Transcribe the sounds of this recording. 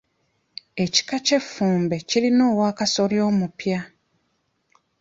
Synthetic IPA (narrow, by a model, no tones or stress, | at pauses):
e̞ci̥kace̞fːuːmbe̞cilino̞ːwaːkaso̞ljo̞ːmupja